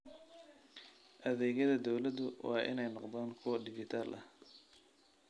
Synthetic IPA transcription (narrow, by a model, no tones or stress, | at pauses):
ʔɐðɛːɣɐðɐd̪ɔwlɐd̪ʊwɑːʔɪ̰nɛjnɔqd̪aːnkʰʊwɐdɪɡɪt̪ʰaːlʔɐh